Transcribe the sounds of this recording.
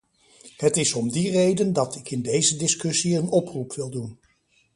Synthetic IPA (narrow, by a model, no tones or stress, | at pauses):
hətɪzɔmdirejdəndɑtɪkɪndejzədɪskɵsiənɔprupʋɪlˠdun